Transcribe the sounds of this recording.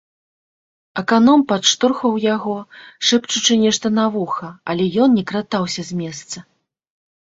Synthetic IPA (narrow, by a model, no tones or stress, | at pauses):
ɐkanɔmpat̪ʂt̪urxvɐwjaɣɔʂɛpt͡ʂut͡ʂɨnʲɛʂt̪ɐnavuxɐɐlʲɛjɔnnʲɛkɾat̪awsʲɐzʲmʲɛst̪sɐ